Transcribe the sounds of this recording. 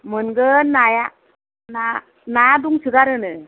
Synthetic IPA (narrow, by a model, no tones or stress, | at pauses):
mɯnɡɯnaja | na | najaduŋsɯɡaɾɯnɯ